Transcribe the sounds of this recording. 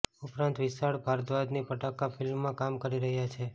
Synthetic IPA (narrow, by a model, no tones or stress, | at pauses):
upɾãnt̪ʋɪsaɭpaɾd̪ʋad̪nipəʈakafɪlmːãkamkəɾiɾəɦjat͡ʃʰe